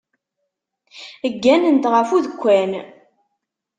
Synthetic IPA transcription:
əɡːænənt̪ʁəfuðəkʷːæn

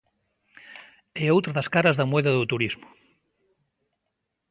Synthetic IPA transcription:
ɛowt̪ɾɐðɐskaɾɐzðɐmwɛðɐðot̪uɾizmʊ̥

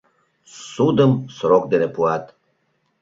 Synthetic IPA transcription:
sud̪əmsɾok̚d̪enepuat̪

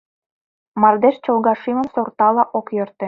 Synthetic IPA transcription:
mɑrd̪eʃt͡ɕolɣɑʃimə̆msort̪ɑlɑʔokjørt̪ĕ

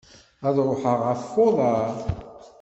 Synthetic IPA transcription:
æðɾˤoħəʁafːoðˤɑɾ

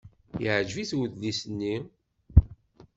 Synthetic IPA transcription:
jəʕʒviθwəðlisənːi

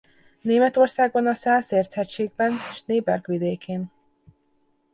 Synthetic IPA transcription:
neːmɛt̪o̞rsaːɡ̚bɒnɒsɛːlseːrt̪sʰɛt͡ʃːeːɡ̚bɛneʃneːbɛrɡʋid̪eːkʰeːn

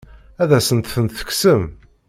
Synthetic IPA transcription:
æðæsənt̪θənt̪θə̥ksəm

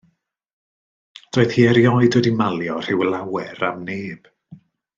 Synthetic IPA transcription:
d̥oːɨð̥hiːɛɾjɔjdɛdimalˠjɔr̥ɪwlˠawɛɾamneːb̥

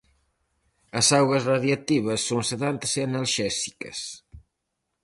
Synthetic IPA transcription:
ɐsawɣɐzraðjɐt̪iβɐsːoŋseðant̪seɐnɐlʃɛsi̥kɐ̰s

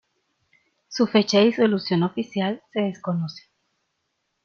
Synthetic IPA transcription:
sufe̞t͡ʃaeisolusjonofisjalseðeskonose̥

